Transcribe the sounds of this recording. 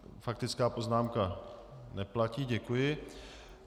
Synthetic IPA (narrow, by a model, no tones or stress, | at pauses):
fak̚t̪ɪt͡skaːpo̞znaːmkanɛplaciːɟɛkujɪ